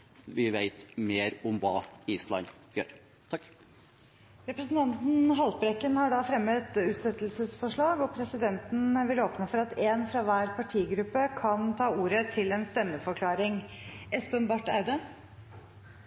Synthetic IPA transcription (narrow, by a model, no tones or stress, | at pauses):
ʋɪʋæɪt̪meːɾʊmʋɑːiːslɑ̰n | jø̰ːɾ | t̪ʰɑkː | ɾɛpɾəsn̩t̪ɑnt̪n̩ɦɑlbɾɛkːənhɑɖɑfɾɛmːət̪ʉːt̪sɛt̪ːlsəsfɔʂɭɑːɡɔpʰɾɛsɪd̪ɛnt̪n̩ʋɪloːpnəfɔɾɑt̪ʰeːnfɾɑʋæːɾpʰɑʈʰiːɡɾʉpːəkʰɑnt̪ʰɑːuːɾət̪ʰɪlɛnst̪ɛmːəfɔɾkʰlɑːɾɪŋʔɛspənbɑʈːɑʉd̪ə